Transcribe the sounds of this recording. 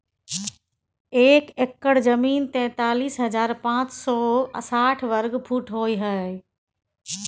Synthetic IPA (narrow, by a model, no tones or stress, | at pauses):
eːkekːəɽzɐmiːnt̪ɛ̃ːt̪aːliːsɦɐzaːɾpãːt͡ɕsɔːsaːʈʰʋɐɾɡpʰuːʈʰɦoːiɦə